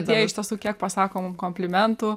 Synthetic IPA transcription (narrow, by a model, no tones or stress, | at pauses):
t̪iɛɪʃt̪ʲiɛsuːkʲiɛk̚pɐsɑːkoːmumkoːmʲpʲlʲɪmʲɛnt̪uː